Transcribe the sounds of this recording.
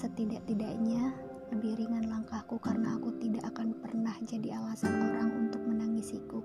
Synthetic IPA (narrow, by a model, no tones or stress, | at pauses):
sət̪idaʔt̪idaʔɲa | ləbihɾiŋanlaŋkahkukarənaːkut̪idaʔakanpərnahd͡ʒadialasanlaɾaŋunt̪ʊk̚mənaŋisiku